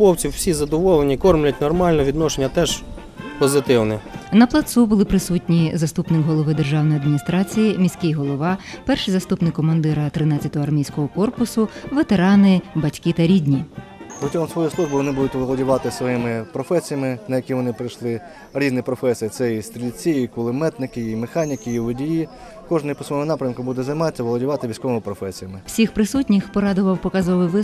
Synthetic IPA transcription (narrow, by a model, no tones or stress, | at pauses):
pɔwt͡sʲiwsʲizɐd̪ɔʋɔlˠenʲikɔrmlʲɐt̚ʲnɔrmɑlʲnɔʋʲid̪nɔʃenʲːɐt̪ɛʒ | pɔzɪt̪ɪwnɛnɐplˠɐt̪subʊlˠɪpɾɪsutʲnʲizɐst̪upnɪkɦɔlˠɔʋɪd̪e̞rʒɑwnɔjɐd̪mʲinʲist̪ɾɑt͡sʲijimʲisʲkʲijɦɔlˠɔʋɑpɛrʃɪjzɐst̪upnɪkːɔmɐnd̪ɪɾɐt̪ɾɪnɑt͡sʲːɐt̪ɔɦɔɐrmʲijsʲkɔɦɔkɔrpʊsʊʋet̪eɾɑnɪbɐtʲkɪt̪ɐɾʲidʲnʲi | pɾɔtʲiɦɔmsʋɔjislˠuʒbɨʋɔnɪbud̪ʊtʲʋɔlˠɔdʲʊʋɑt̪ɪsʋɔjimɪpɾɔfɛsʲijɐmɪnɐjɐkʲiʋɔnɪpɾɪjʃlˠɪ | ɾʲiznɪpɾɔfɛsʲijɐt̪sɛist̪ɾʲilʲt͡sʲiikʊlˠɪmɛt̪nɪkɪimexɑnʲɪkɪiʋɔdʲiji | kɔʒnɐpɔsmɔmʊnɑpɾʲɐmkʊbud̪ɛzɐjmɑɐʋɔlˠɔdʲɪʋɑt̪ɪʋʲisʲkɔʋɪmɪpɾɔfɛsʲijɐmɪw̥sʲixpɾɪsutʲnʲixpɔɾɑd̪ʊʋɐwpɔkɑzɔʋɪʋɪ